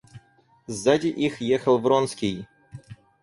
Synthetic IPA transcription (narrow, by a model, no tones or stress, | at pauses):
zːadʲɪʔixjexəlˠvɾonskʲij